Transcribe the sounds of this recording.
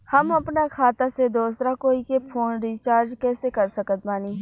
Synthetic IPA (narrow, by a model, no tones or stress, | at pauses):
hɐmɐpnakʰaːt̪ased̪oːsɾakoːikepʰoːnɾiːt͡ʃaːɾd͡ʒkɛːsekɐɾsəkət̪̚maːniː